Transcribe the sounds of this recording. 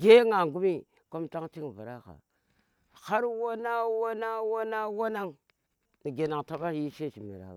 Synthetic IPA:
ɡe˦ŋa˨ŋɡu˦mi˦ | ko˦mta˦ŋti˦ŋ˨va˨ɾa˦xa̰˨ | xa˦ɾwa˦na˦wa˦na˦wa˦na˦wa˦na˦ŋ | ni˨ɡe˨na˨ŋta˦ɓa˦i˦ʃe˦t͡ʃi˨mḭ˨ɾa̰˨

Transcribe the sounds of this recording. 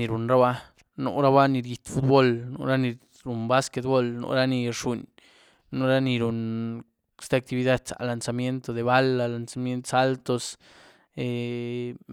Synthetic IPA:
i˨ɾu˨nɾa˦ba˦ | no̰˨˧ɾa˦ba˦ni˧ɾji˨t̪fu˦t̪̚bo˦lno̰˧ɾa˦ni˧ | ɾu˨nba˦ske˧t̪bo˦lno̰˧ɾa˦ni˧ɾʂu˨n | no˧ɾa˦ni˧ɾu˨n | st̪e˦a˧k̚t̪i˧βi˧d̪a˦d̪sa̰˨la˨nsa˧mje˦nt̪o˧d̪e˨βa˦la˧la˨nsa˨mje˦nt̪sa˦lt̪o˧s | e˧

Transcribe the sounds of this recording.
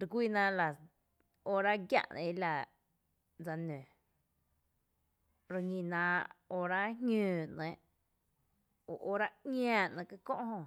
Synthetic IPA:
ɾkʷiː˧˨nã˧la˨ | o˧ɾa˦ɡja̰˧˨ʔnʔã̰˧i˦la˧˨ | d͡za˧nẽ˨ | ɾə˧ŋĩ˧nã˧o˧ɾa˦hŋũː˧˨nə̃˨˦ʔ | o˨ʔo˦ɾa˦ŋʲ˦ãː˧˨nã˧˨ka˧kõ̰˦ʔɦõ˧˨

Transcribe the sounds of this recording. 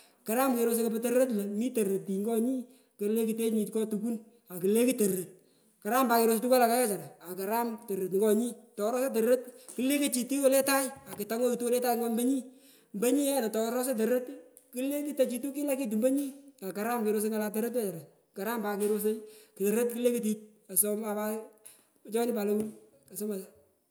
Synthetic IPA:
ka˨ɾa˦mke˧ɾo˧s̬e˦ko˨pɛ˦te˦ɾɾə˦t̬lɛ˨mi˦te˨ɾɾə˨ti˨ŋɡɔ˦ɲi˦ | ke˨le˦ki˨te˦ɲi˨tkɔ˦tu˨ku˦n | a˨ki˨le˦ki˦te˨ɾɾe˨t̚ | ka˨ɾa˦mba˨kɪ˧ɾoː˨se˧tu˦ka˦la˨ka˦jɔ˦t͡ʃa˨ɾa˨a˨ka˨ɾa˦mtɐ˨ɾɾe˨t̬ŋɡɔ˦ɲi˦tɔ˨ɾɔ˦se˦t̬ɐ˨ɾɾə˦tkɪ˦le˦ke˦t͡ʃi˨ti˦ko˦lɛ˦ta˦ja˨kɪ˨ta˨˦ŋɔ˦ki˨tu˦lɛ˦ta˦iŋa˦mbə˦ɲi˦ | mbə˦ɲi˦jɛ˦nɔ˨tɔ˨ɾɔ˦s̬e˦t̬e˨ɾɾe˦t | ki˦le˦ki˦ta˨t͡ʃi˨tu˦ki˦la˦ki˦t̬u˨mbə˦ɲi˦a˨ka˨ɾa˦mkɪ˨ɾo˧s̬e˦ŋala˨t̬ɐ˦ɾe˦t̬jɔ˦t͡ʃa˨ɾa˨ | ka˨ɾa˦mba˨kɪ˦ɾose˦jki˨te˨ɾɾe˦tki˦le˦ke˨t̬i˦t͡ʃ̚ | a˨sɔ˦ma˨pa˦˨ | t͡ʃɔː˦nɪ˦pa˨lo˦ku˦n | a˨sɔ˦ma˨

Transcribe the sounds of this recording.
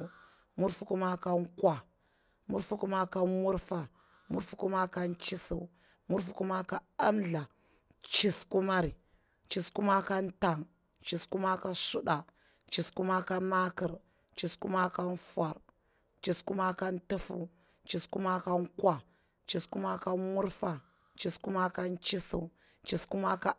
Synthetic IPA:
mu˦ɾfu˦ku˦ma˦ka˦ŋkwa˦˨ | mu˦ɾfu˦ku˦ma˦ka˦mu˦ɾfa˨ | mṵ˦ɾfu˦ku˦ma˦ka˦nt͡ʃi˦si˦˨ | mu˦ɾfu̥˦ku˦ma˦ka˦a˦mɮa˨ | t͡ʃi˨sku˦ma˦ɾi˨ | t͡ʃi˨sku˦ma˦ka˦n˦ta˨ŋ | t͡ʃi˨sku˦ma˦ka˦su˦ɗa˨ | t͡ʃi˨sku˦ma˦ka˦ma˦ki˨ɾ | t͡ʃi˨sku˦ma˦ka˦n˦fa˨ɾ | t͡ʃi˨sku˦ma˦ka˦ntu˦fṵ˦ | t͡ʃi˨sku˦ma˦ka˦ŋkwa˦ | t͡ʃi˨sku˦ma˦ka˦mu˦ɾfa˨ | t͡ʃi˨sku˦ma˦ka˦nt͡ʃi˦sḭ˦˨ | t͡ʃi˨sku˦ma˦ka˦

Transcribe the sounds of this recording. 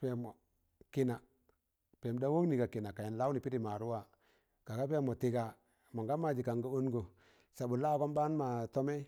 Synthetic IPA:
pe˨mo˨ | ki˦na˨ | pe˨mda˦wo˦ni˨ka˨ki˨na˨ka˨ja˨nla˦wni˨pi˦di˨ma˨ɾu˦wa˨ | ka˨ka˦pe˦mo˨ti˨ɡa˨ | ma˨ŋɡa˦ma˨d͡ʒi˨ka˨ŋɡa˦u˦nɡo˨ | sa˨bu˨la˦˨ko˦mba˦n˦ma˨to˦me˦

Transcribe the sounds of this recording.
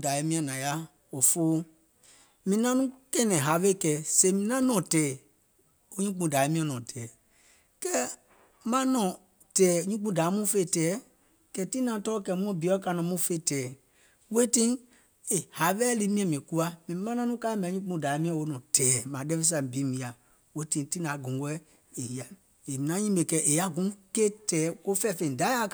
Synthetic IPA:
da˨je˦mĩ˦ã˨nã˨ja˦ | o˨foː˦ | mĩ˨˦nã˦nũ˦kɛ˦nɛ̃˨ɦa˨ve˦˨kɛ˨se˨mĩ˨nã˦nɔ̃˨tɛː˨ | o˦ɲũ˦k͡pũ˧˨da˨e˨˦mĩ˦ã˦˨nɔ̃˨tʰɛː˨ | kɛ˦ | mã˦nɔ̃˨ | tɛː˨ɲũ˦k͡pũ˦˨da˨˦mũ˦fe˦˨tɛː˨˦ | kɛ˨ti˦nã˨tɔ˦kɛ˧˨mũ˦ɔ̃˦˨bi˨˦ɔ˦ka˧nɔ̃˨mũ˦fe˦˨tɛː˨ | we˦tĩ˦ | e˨ha˨˦ɓɛ˦li˧mĩ˦ɛ̃˨mĩ˨ku˧a˦mĩ˨˦mã˦nã˦nũ˦ka˦mɛ̃˨˦ɲũ˦k͡pũ˧˨da˨˦mĩ˦ã˦wo˧˦nɔ̃˨tʰɛː˨˦mãː˨˦dɛ˦fe˦s̬ã˨bi˨˦mĩ˨˦a˨ | we˦tĩ˧˦ti˦nã˨˦ɡũ˨˦wɛ˦ | e˨ji˨a˨ | e˨mĩ˨nã˨˦ɲĩ˦be˨kɛ˧˦ʔe˨a˦ɡũ˨˦ke˦tɛː˨˦ko˦fɛ˦˨fẽ˧˨da˨˦a˦k

